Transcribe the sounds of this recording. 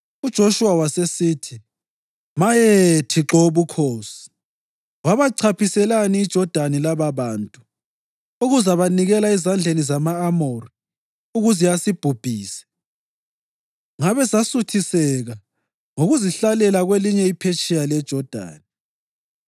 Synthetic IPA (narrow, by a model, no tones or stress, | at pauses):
ud̥ʒ̥ʱoʃuwawasesiːtʰi | majetʰiǁɔuβukʰoːsi̥ | waβaǀʰapʰisɛlaniːd̥ʒ̥ʱɔd̥ʱanilaβaβaːntʼu | uɣuzaβaniɣɛlaizand͡ɮʱenizamaːmori | uɣuzijasib̥ʱub̥ʱiːsɛ̥ | ŋaβɛsasutʰisɛɣa | ŋoɣuziɬalɛlaɣweliɲɛipʰet͡ʃʼijalɛd̥ʒ̥ʱɔd̥ʱa̰ːni